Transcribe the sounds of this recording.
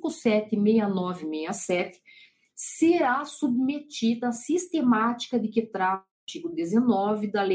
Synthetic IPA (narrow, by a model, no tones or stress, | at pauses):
kʊsɛt̪ɪmejɐnɔvɪmejɐsɛt̪ɪ̥ | seɾasubmet͡ʃid̪ɐːsist̪emat͡ʃi̥kɐd̪ɪkɪt̪ɾa | t͡ʃiɡʊd̪ezenɔvɪd̪ɐle